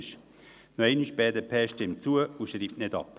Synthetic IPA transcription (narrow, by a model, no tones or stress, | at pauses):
ʃ | noiɪniʃpɛːdəpʰɛːʃtɪmt͡suəuʃɾiːp̚tnɪdɑ̰p